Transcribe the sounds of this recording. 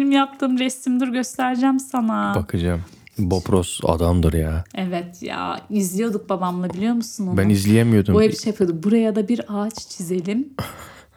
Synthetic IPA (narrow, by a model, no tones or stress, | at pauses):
benimjap̚t̪ʰɯːmɾɛst̪imd̪iɾɟø̞st̪ʰæɾd͡ʒæmsanabakʰɯd͡ʒam | bopɾosa̰d̪amd̪ɯɾjaːɛvɛt̪ja̰izlʲijo̞d̪uk̚babamlˠabilʲijo̞musunobænnizlʲijemijo̞d̪umojabiʃepʰjod̪uk̚buɾajad̪abiɾat͡ʃt͡ʃʰize̞lʲim